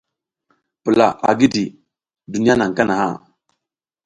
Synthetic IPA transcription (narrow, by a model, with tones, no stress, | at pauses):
pu˨la˨ʔa̰˨ɡi˦di˨ | du˨ni˦ja˦na˨ŋ˨ka˦na˨ha̰˦˨